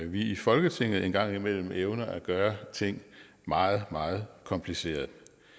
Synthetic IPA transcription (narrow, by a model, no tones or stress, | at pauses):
ʋiifɒ̽lɡ̥ət͡sʰe̝ŋ̰ð̩ˠe̝nɡ̥ɑ̈ŋ̰imel̰m̩eʊnɐʔæɡ̥ɶːɐt͡sʰe̝ŋ̰ | mɑ̈ːð̩ˠmɑ̈ːð̞̩ˠkʰɒ̽mpʰlise̝̰ːɐð̩ˠ